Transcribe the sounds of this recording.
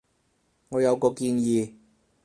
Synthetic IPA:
ŋɔː˨˧jɐ˨˧wkɔː˧kiː˧njiː˨˧

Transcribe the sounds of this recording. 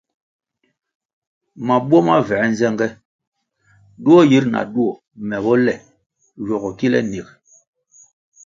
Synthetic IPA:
ma˨bu˦ɔ˦ma˦vɛ˨˦n˦zɛ˦ŋɡɛ˦ | du˦ɔ˦ji˦ɾna̰˨du˦ɔ˨ | mɛ˨bɔ˦lɛ˨ | jɔ˨ɣɔ˨ki˦lɛ̰˦ni˨k̚

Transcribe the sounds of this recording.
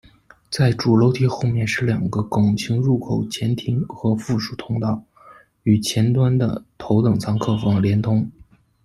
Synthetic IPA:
t͡sa˥˩ɪʈ͡ʂu˨˩lo˧˥ʊt̪ʰi˧˥xo˥˧ʊmjɛ˥˧nʂɻ̩˥˩ljɑ˨˩ŋɡə˦kʊ˨˩ŋt͡ɕʰi˧˥ŋɻu˥˩kʰo˨˩ʊt͡ɕʰjɛ˧˥nt̪ʰi˧˥ŋxɤ˧˥fu˥˩ʂu̥˨˩t̪ʰʊ˥ŋt̪ɑ˥˩ʊ | y˨˩t͡ɕʰjɛ˧˥nt̪wa˥nd̪ə̰˨t̪ʰo˧˥ʊt̪ɤ˨˩ŋt͡sʰɑ˧˥ŋkʰɤ˥˩fɑ˥˩ŋljɛ˧˥nt̪ʰʊ˥ŋ

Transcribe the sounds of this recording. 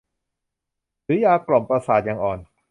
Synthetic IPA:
ɾɯː˨˦jaː˧klo˨˩mpɾa˧saː˨˩t̪̚jaː˨˧ŋʔɔː˨˩n

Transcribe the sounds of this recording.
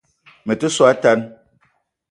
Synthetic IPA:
me˨te˦sɔ˦a˦ta˦n

